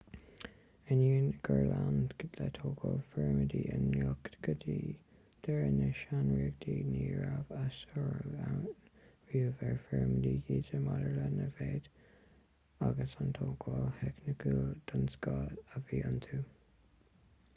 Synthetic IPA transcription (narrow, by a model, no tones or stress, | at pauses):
əniːnɡ̥əɹlandɡədlɛt̪ʰoːɡʰɔlfɛɹmədiːənɔkt̪ɡ̥əd̪iː | d̪̥ɛɹənəʃanɹiɡd̪iːniːɹavasɔɹa | viːəvɛɹfɛɹməd̪iːɡiːzəmadəɹlɛnəveːd̪̥ | aɡəsant̪ʰoːɡʰɔlhɛknəkʰud̪̥ənsɡɑːdəviːənt̪ʰu